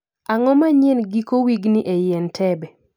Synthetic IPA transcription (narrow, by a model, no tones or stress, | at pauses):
aŋɔmaɲenɡikowiɡniʔejɛntʰɛbɛ